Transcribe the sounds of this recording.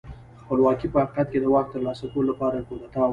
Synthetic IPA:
xpəlwɑkipəhaqiqat̪̚ked̪əwaxt̪ːəɾlɑsakololapɑɾakod̪at̪a

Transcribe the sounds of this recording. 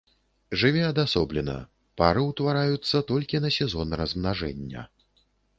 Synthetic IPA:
ʐɨvʲɛɐd̪asɔblʲɛnɐ̰ | paɾɨwt̪vaɾajut̪sːɐt̪ɔlʲkʲinɐsʲɛzɔnrɐzmnaʐɛnʲːɐ̰

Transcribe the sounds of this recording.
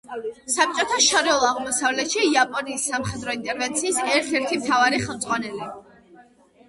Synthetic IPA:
sap̚t͡ʃʼɔt̪ʰaʃɔɾɛlˠaʁmɔsavlɛt̪ʃiːapʼɔniːsːamχɛd̪ɾɔint̪ʼɛɾvɛnt̪sʰiːsɛɾt̪ʰɛɾt̪ʰimt̪ʰavaɾiχɛlˠmt̪zʼʁʼwanɛli

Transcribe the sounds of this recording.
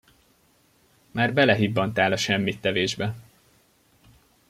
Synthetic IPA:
maːrbɛlɛɦibːɒnt̪aːlɒʃɛmːit̪ːɛveːʒbɛ

